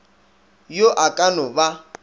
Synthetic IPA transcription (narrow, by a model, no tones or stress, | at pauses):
joʔakʼanɔba